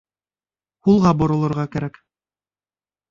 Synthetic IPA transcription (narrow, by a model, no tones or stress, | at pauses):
hulˠʁɑbŏɾɤ̆lˠŏɾʁɑkæɾæk